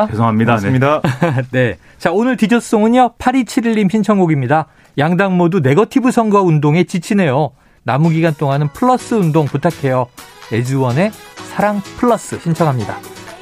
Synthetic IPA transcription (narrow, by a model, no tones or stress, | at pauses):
kesʰoŋɦamɲidaeidane̞ | t͡ɕaonɯɭtid͡ʑos͈oŋɯɲʌpʰaɾit͡ɕʰiɾiɭːimɕʰint͡ɕʰʌŋɡoɡimɲida | jaŋdaŋmodune̞ɡʌtʰibusʰʌŋɡwaundoŋe̞t͡ɕit͡ɕʰine̞jo | namuɡiɡant͈ʰoŋanɯnpʰɯɭːʌs͈ɯundoŋputʰakʰe̞joe̞d͡ʑuwʌne̞sʰaɾaŋpʰɯɭːʌs͈ɯɕʰint͡ɕʰʌŋɦamɲida̰